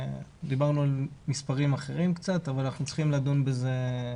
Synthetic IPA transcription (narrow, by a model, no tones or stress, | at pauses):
d̪ibaʁnualmispaʁimaχe̞ʁimkt͡sat̪avalanaχnut͡si̥χimlad̪onbeze